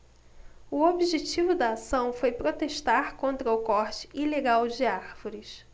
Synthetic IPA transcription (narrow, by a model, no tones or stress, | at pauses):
ʊobiʒet͡ʃivʊd̪ɐːsɐ̃w̃fojpɾot̪eʃt̪aɾkõnt̪ɾɐʊkɔɾt͡ʃɪ̥ileɡawd͡ʒɪaɾvoɾɪs